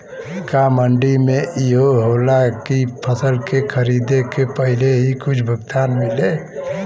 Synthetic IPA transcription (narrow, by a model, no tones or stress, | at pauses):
kaməɳɖimeʔiɦoɦolakipʰəsəlkekʰəɾid̪ekepəɦileɦikʊt͡ʃʰbʱəɡt̪aːnmile